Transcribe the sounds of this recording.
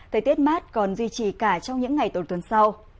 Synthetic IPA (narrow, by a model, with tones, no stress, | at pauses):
t̪ʰə˨˩jt̪i˦˥ət̚maː˦˥t̚kɔ˨˩nzwi˧t͡ɕi˨˩kaː˧˩t͡ɕɔ˧wŋ͡mɲɨ̰˧˥ŋːa˨˩jt̪o˧˩nt̪ə˨˩nsa˧w